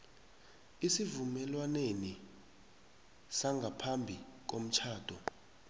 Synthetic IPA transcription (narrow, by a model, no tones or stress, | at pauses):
isivumɛlwaneni | saŋɡʱapʰambʱik̬ʼom̩t͡ʃʰaːd̥ʱɔ